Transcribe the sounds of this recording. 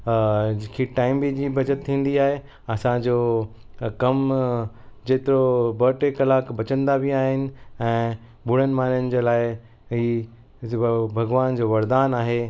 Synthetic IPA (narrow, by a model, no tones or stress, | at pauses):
d͡ʑɪkʰiʈaːɪmbid͡ʑiːbɐd͡ʑət̪ʰːĩːn̆d̪iaːɦe | ɐsãd͡ʑoː | kɐm | d͡ʑeːt̪ɪɾobəːʈekɐlaːkbɐt͡ɕə̃nd̪abʱɪaːɦɪnɪ̆ɛ̃ː | bʊɽənɪ̆maːnjənd͡ʑeːlaːɪ | iː | bʱɐɡʋaːnd͡ʑoːʋɐɾd̪aːnaːɦeː